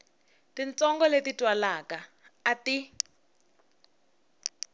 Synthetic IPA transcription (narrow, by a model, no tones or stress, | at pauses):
tint͡sɔŋɡɔletitʼwalakaː | ti